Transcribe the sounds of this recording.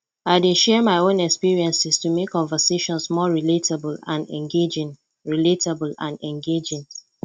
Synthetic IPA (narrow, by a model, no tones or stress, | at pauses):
aɪdeʃɛmaɪõnɛkspiɹiɛ̃nsɪstumekʰːɔ̃ɱvəseʃɔ̃nsmɔɹiletablã̰nɛ̰̃ŋɡed͡ʒɪ̃ŋ | ɹiletabəlã̰nɛ̃ŋɡed͡ʒɪ̃ŋ